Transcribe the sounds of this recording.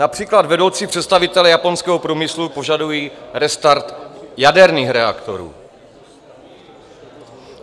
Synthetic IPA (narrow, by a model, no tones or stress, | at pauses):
napr̥iːklad̪vɛdo̞wt͡siːpr̥ɛt̪st̪avɪt̪ɛlɛjapo̞nskɛːɦopɾuːmɪslupo̞ʒadujiːɾɛst̪aɾt̪jadɛɾniːxɾɛa̰kt̪o̰ɾṵː